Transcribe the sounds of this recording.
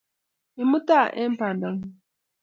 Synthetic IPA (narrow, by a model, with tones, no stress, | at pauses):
i˨mu˦ta˦˨ʔe˦m̩˦pa˨na˨˦ŋ˦